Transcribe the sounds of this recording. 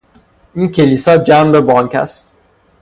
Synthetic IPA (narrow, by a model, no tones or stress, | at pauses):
iːncʰe̞liːsɒːd͡ʒæmbebɒːŋkʰæ̰st̪̚